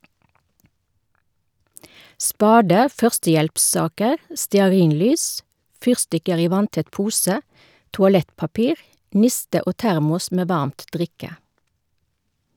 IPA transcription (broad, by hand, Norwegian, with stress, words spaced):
ˈspɑːdə ˈfœʁstəˌjɛlpˌsɑːkəʁ stɛɑˈʁiːnˌlyːs ˈfyːʁstɪkəʁ ˈiː ˈʋɑntɛt ˈpuːsə tʊɑˈlɛtpɑˌpiːʁ ˈnɪstə ˈoː ˈtæʁmʊs ˈmeː ˈʋɑʁmt ˈdʁɪkə